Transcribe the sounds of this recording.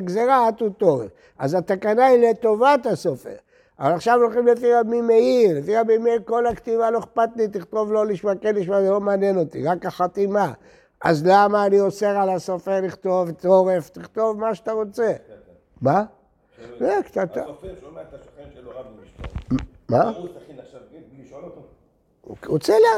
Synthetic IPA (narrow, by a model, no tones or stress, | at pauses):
ɡzeʁaat̪ut̪oʁef | a̰zat̪akanailet̪o̞vat̪asofḛʁ | avalaχʃavlolχimlefiʁabimeiʁlefiʁabimeiʁko̞lakt̪ivalo̞eχpat̪lit̪iχt̪o̞vlo̞liʃmakenliʃmazelo̞maːnjeno̞t̪ḭʁakaχat̪ima | azlamaːnioseʁalasofeʁliχt̪o̞vt̪oʁeft̪iχt̪o̞vmaʃat̪aʁo̞t͡se̞ | ma | zekt̪at̪a | ma | ot͡sela